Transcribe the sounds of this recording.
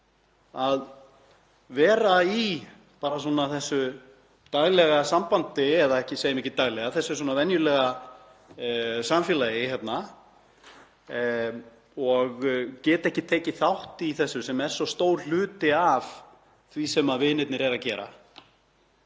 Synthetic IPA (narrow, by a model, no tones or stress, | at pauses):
að | vɛːɾai | paːɾasɔːnaθɛsːʏ | t̪ajɣlɛɣasampant̪ɪɛðaɛhcɪsejɪmihcɪt̪aːɣlɛɣaθɛsːʏɛɾswɔːnavɛnjʏlɛːɣa | samfjɛːlajɪhɛt̪na | ɔɣcɛːt̪ɛhcɪt̪ʰeːcɪθawht̪iθɛsːʏsɛmɛɾ̥sɔst̪oːwɾlʏːt̪ɪav | θvisɛmaðvɪnɪt̪nɪɾɛɾacɛ̰ːɾa̰